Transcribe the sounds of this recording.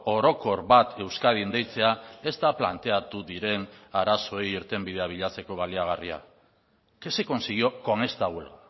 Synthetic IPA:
o̞ɾo̞ko̞ɾβat̪ʰe̞wskað̞ind̪e̞jt͡se̞ae̞st̪apla̰nt̪e̞at̪uðiɾe̞naɾaso̞ejiɾt̪e̞mbið̞eaβ̞iʎat͡se̞ko̞βaliaɣ̞aria̰ | ke̞seko̞nsiɣio̞ko̞ne̞st̪aɣula

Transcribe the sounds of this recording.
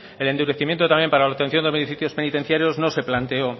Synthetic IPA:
ele̞nd̪uɾe̞θimjent̪o̞t̪amje̞mpaɾalaot̪e̞nθjo̞nd̪emeniθiθjo̞spe̞nit̪e̞n̟θjaɾjo̞znose̞plant̪e̞o

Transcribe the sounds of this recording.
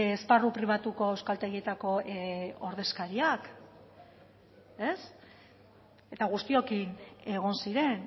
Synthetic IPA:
esparupɾiβ̞at̪uko̞ewskalt̪e̞ɣie̞t̪ako̞oɾðe̞skaɾiak | e̞s | e̞t̪aɣ̞ust̪io̞kine̞ɣ̞o̞nsiɾe̞n

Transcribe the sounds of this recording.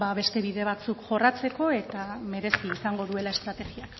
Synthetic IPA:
baβe̞st̪e̞βiðe̞β̞at͡sukʝo̞rat͡se̞ko̞e̞t̪ame̞ɾe̞siːsaŋɡo̞ðue̞lae̞st̪ɾat̪e̞ɣiak

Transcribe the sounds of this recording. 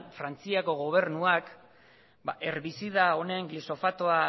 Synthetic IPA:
fɾant͡siako̞ɣ̞o̞β̞e̞ɾnuak | bae̞ɾβisiðao̞ne̞ŋɡliso̞fat̪oa

